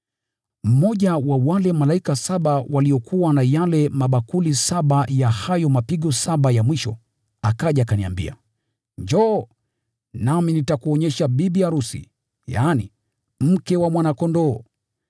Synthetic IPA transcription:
m̩mɔʄawawalɛmalaikasaɓawʔaliɔkʰuwanajalɛmaɓakulisaɓajahajɔmapiɠɔsaɓajamwiʃɔ̰ | akaʄaːkania̰mbḭa̰ | ɲd͡ʒɔ | naminitakuɔɲɛʃaɓiɓijaɾusḭ | ja̰ːnḭ | m̩kɛwamwanakɔndɔː

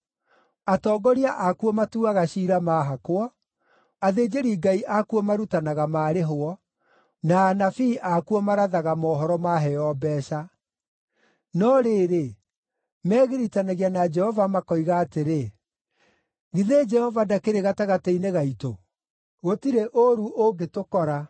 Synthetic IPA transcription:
atɔːɡɔɾiaʔakuɔmatuaɣaɕiːɾamaːɦakoɔ | aðed͡ʒeɾiːɡaiʔakuɔmaɾutanaɣamaːɾeɦoɔ | naːnafiːʔakuɔmaɾaðaɣamɔːɦɔɾɔmaɦɛjɔbɛːʃa | nɔɾeɾe | mɛːɣeɾitanaɣianad͡ʒɛhɔvamakɔiɣaːteɾe | ɣiðed͡ʒɛhɔvadakeɾeɣataɣateineɣaito | ɣotiɾeʔoɾuʔoɡetokɔɾa

